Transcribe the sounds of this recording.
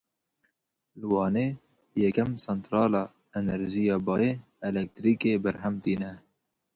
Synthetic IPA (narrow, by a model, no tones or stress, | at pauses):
lwɑːneː | jɛkɛmsɛnt̪ɾɑːlɑː | ɛnɛɾʒijɑːbɑːjeː | ɛlɛk̚t̪ɾiːkeːbɛɾɦɛmt̪iːnɛ